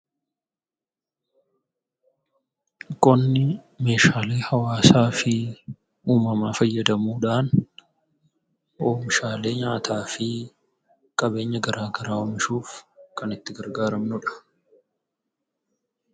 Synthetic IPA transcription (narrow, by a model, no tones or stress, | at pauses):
kʼɔnːɪ | me̞ːʃaːle̞ːhɐwaːsaːfɪ | uːmɐmaːfɐjːɐd̪ɐmuːᶑaːn | ʔoːmɪʃaːle̞ːɲaːt̪ʰaːfɪ | kʼɐbe̞ːɲːɐɡɐɾʔaːɡɐɾaːɔmɪʃuːfkɐnɪt̪ːɪɡɐɾɡaːɾɐmnʊᶑɐ̥